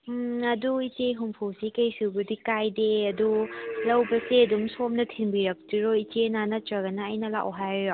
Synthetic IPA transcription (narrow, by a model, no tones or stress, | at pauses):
ɐduit͡ʃeɦumpʰusikɐjsubɐdikajdeɐdulɐwbɐseɐdumsomnɐtʰinbiɾɐk̚tiɾoit͡ʃenanɐtɐɡɐnɐːjnɐla̰ʔwɦajjo